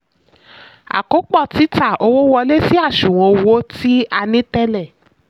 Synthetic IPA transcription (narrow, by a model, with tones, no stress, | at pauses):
a̰˨ko˨˦k͡pɔ˦˨ti˨˦ta˦˨o˧wo˦wɔ˧le˦si˦a˦˨ʃu˨w̃ɔ̃˨˧wo˦ti˦a˧nĩ˨˦tɛ˦lɛ˦˨